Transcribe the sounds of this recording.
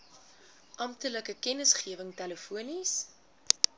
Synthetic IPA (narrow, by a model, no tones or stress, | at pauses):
ʔɐmptələkəkɛnəsχiəvəŋtɛləfuənis